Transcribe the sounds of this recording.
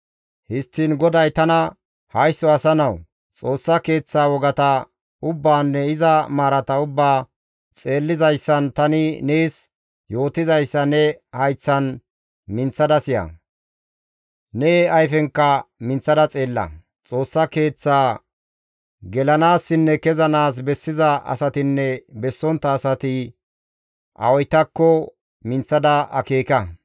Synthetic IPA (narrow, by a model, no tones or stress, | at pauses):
hɪst̪ːiːnɡɔd̪ɐjt̪ɐnɐ | hɐjsːɔɐsɐnɐw | t͡sʼo̞ːsːɐke̞ːt͡sːaːwɔɡɐt̪ɐ | ʊbːaːnːɛɪzɐmaːɾɐt̪ɐʊbːaː | t͡sʼe̞ːlːɪzɐjsːɐnt̪ɐnɪneːs | jo̞ːt̪ɪzɐjsːɐnɛhɐjt͡sːɐn | mɪnt͡sːɐd̪ɐsɪjɐ̰ | neɐjfɛŋkːɐmɪnt͡sːɐd̪ɐt͡sʼe̞ːlːɐ̰ | t͡sʼo̞ːsːɐke̞ːt͡sːaː | ɡɛlɐnaːsːɪnːɛkɛzɐnaːs̬bɛsːɪzɐɐ̰sɐt̪ɪnːɛbɛsːɔnt̪ːɐːsɐt̪ɪ | ʔɐ̰wɔjt̪ːɐkːɔ | mɪnt͡sːɐd̪ɐɐ̰keːkɐ